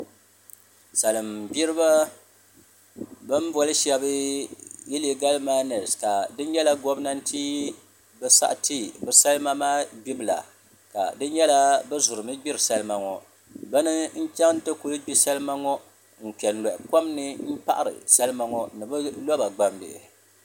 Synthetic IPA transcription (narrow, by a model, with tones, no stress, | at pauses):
sa˨lɨ˨mbi˦ɾɨ˦ba˦ | bɨ˦m˦bɔ˦lɨ˦ʃɛ˨bɨ˦ji˦li˦ɡa˦lmaː˦nɛ˨ska˨dɨ˦n˦jɛ˦la˦ɡo˦bna˦n̩˦tʰiː˦ | bɛ˦sa̰˦ʔti˦˨bɨ˨sa˦lɨ˦ma˦maː˦ɡ͡bi˦bɨ˨la̰˨ | ka̰˨dɨ˦njɛ˦la˦bɨ˦zʊ˨ɾɨ˨mɨ˦ɡ͡bi˦ɾɨ˨sa˦lɨ˦ma˨ŋɔ˨ | bɨ˦nɨ˦n̩˦t͡ʃa˦ŋ˦n˦tɨ˦ku˦lɨ˦ɡ͡bi˦sa˦lɨ˦ma˦ŋɔ˦ | ŋ̩˨k͡pɛ˨n̩˨lɔ˨ʔɪ˨ko˦mnɨ˦m̩˦pa˦ʔa˦ɾɨ̰˨sa˦lɨ˦ma˦ŋɔ˦nɨ˨bɨ˦lɔ˦ba˨ɡ͡ba˨mbɪ̰˨ʔɪ̰˨